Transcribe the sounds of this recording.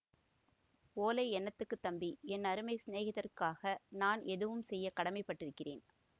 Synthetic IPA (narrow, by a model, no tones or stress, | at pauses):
poːlɐɪɛnːɐt̪ːɯkːɯt̪ːɐmbiɛnːɐɾɯmɐɪsɪneːɣɐðɐrkaːɣɐnaːnʔɛðɯʋɯmsɛjːɐkɐɽɐmɐɪpːɐʈːɪɾɯkːɪreːn